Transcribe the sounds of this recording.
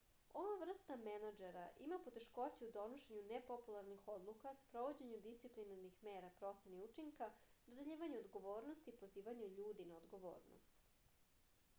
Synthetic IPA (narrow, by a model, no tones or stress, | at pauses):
o̞ʋaʋr̩st̪amenad͡ʒeɾaʔimapo̞t̪e̞ʃko̞t͡ɕeud̪o̞noʃeɲunepo̞pulˠaɾnixo̞d̪lˠukaspɾo̞ʋo̞d͡ʑe̞ɲud̪ist̪iplinaɾnixmeːɾapɾo̞t̪seniut͡ʂiŋkad̪od̪eʎiːʋaɲuod̪ɡo̞ʋo̞ːɾno̞st̪ipo̞ziːʋaɲuʎuːd̪inaod̪ɡo̞ʋo̞̰ːɾno̰st̪